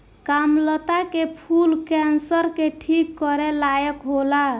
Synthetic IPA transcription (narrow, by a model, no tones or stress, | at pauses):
kamlət̪akepʰulkɛnsəɾkeʈʰikːɔɾelajəkɦola